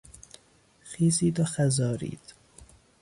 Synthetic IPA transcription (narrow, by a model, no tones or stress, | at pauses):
xiːziːd̪oxæzɒːɾḭːd̪̥